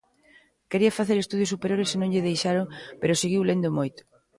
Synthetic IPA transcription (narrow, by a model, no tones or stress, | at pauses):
keɾiɐfaθeɾest̪uðjosupeɾjoɾesɪnõŋʎɪðejʃaɾoŋpeɾʊseɣiwlend̪omojt̪ʊ̥